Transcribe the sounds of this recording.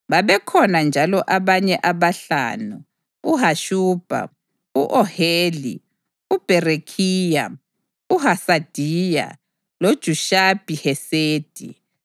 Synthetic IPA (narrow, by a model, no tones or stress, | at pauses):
βaβɛkʰɔnand͡ʒʱalɔʔaβaɲɛʔaβaɬa̰ːnu | uɦaʃuːb̥ʱa̰ | uʔɔheːli | ub̥ʱɛrekʰiːja | uhasad̥ʱiːja̰ | lod̥ʒ̥ʱuʃab̥ʱihɛseːd̥ʱḭ